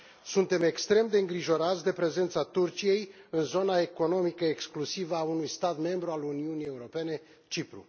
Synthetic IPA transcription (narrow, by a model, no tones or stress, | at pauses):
sunt̪e̞me̞kst̪ɾe̞md̪e̞ɨŋɡɾiʒo̞ɾat̪sʲd̪e̞pɾe̞ze̞nt̪sat̪urt͡ʃije̞jɨnzo̞nae̞ko̞no̞mikəeksklusivəaunujst̪at̪me̞mbɾualuniunije̞uɾo̞pe̞ne̞ | t͡ʃipɾṵ